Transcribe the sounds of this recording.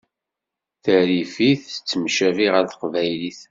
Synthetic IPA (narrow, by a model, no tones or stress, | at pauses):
θəɾifiθt͡sːəmʃæviʁəɾθə̥qvæjliθ